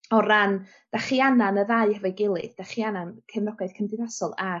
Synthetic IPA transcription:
ɔran | d̥aχiananəðajhəvɛjɡɪlˠɨ̰ðd̥aχianankʰɛvnɔɡajð̥kʰəndɪðasɔlˠa

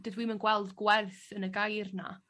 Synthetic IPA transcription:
dədwiːmənɡwɛlˠdɡwɛrθənəɡajrna̰

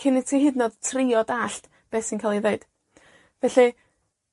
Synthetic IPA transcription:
kʰɪnitʰihɨdnɔd̥tʰrɪɔdaɬt | b̥ɛːsinkʰalˠiðeɨd̥ | vɛɬi

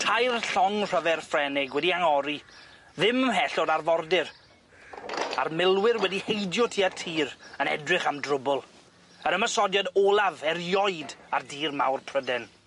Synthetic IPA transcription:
tʰajrɬɔŋr̥əvɛrfrɛnɪɡwɛdiaŋɔɾi | ðɪməɦɛɬɔdarvɔrdɪr | a̰rmɪlˠwɪrwɛdihejdjɔtʰiːartʰiːɾənɛ̰drɪχamdrʊbʊlˠ | əɾəməsɔdjadoːlˠavɛrjɔɨdardiːrma̰wrpʰrədɛn

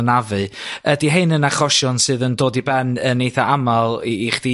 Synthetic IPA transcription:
navɨədiɦeɨnənaχɔʃʊnsɨːðəndoːdibɛnənejθaamalˠːχd̥i

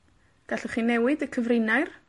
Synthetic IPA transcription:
ɡ̥aɬəχiːnɛwɪdəkʰəvrɪnajr

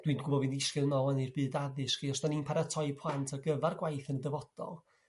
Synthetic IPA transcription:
d̥winɡʊbɔvɨnðɪskɨðnɔɛnɨrbɨːdaðɨskejɔsd̥aninpʰaɾatʰɔɨpʰlˠantʰaɡəvarɡwajθəndəvɔd̥ɔ̰lˠ

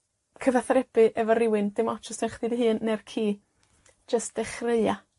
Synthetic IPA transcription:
kʰəvaθaɾɛb̥ɨʔɛvɔɾɪwɪnd̥ɪmɔt͡ʃʰɔstɛnχdiːdiɦɨːnːɛrkʰi̥ː | d͡ʒəstd̥ɛχrəɨa

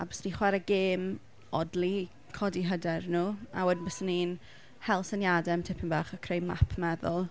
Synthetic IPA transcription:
a̰bəsniχwɛɾəɡeːm | ɔdlˠi | kʰɔdiɦədɛrnuːa̰wədnbəsəniːn | hɛlˠsənjadɛmtʰɪpʰɪnbaːχəkʰrejma̰pʰmɛðʊlˠ

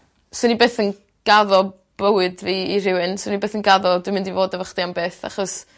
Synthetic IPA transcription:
sonibeːθən | ɡ̥aðɔ | b̥əwɨdviːiɾɪwɨnsonibeːθənɡaðɔdwɨmɪ̃ndivoːdəvəχd̥iambeːθa̰χɔs

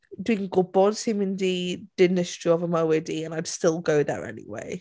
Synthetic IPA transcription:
dʉɪ̃ŋɡʊbɔdsimɪ̃ndid̥ɪnɪsɹ̥iɔvəməwediə̃naɪd̥stɪlˠɡoʊðə̰ɹɛ̰nḭwḛɪ

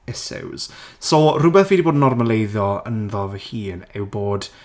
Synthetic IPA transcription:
ɛsɛ̰wz̥soːrʊbɛθviːdiboːdnɔrməlejðjɔənðɔvəhiːnɛwboːd̥

